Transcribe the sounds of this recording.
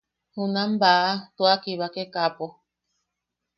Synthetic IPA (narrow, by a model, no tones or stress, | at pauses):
hũnãmbaʔat̪uakiβakekapo